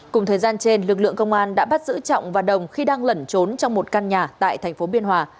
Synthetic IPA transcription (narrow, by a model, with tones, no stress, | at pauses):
kʊ˨˩ŋ͡mt̪ʰəː˨˩jzaː˧nt͡ɕe˧nlɨ˨˩k̚lɨ̰˧˨əŋkə˧wŋ͡mʔaː˧nɗa̰ː˧˥ɓa˦˥t̚zɨ̰˧˥t͡ɕɔ̰˧˨wŋ͡mvaː˨˩ɗə˨˩wŋ͡mxi˧ɗaː˧ŋlə˧˩nt͡ɕo˨˦nt͡ɕɔ˧wŋ͡mmo˨˩t̚kaː˧nɲaː˨˩t̪a̰ː˧˨jt̪ʰɛ˨˩jŋ̟fo˨˦ɓi˧ənɦwaː˨˧˩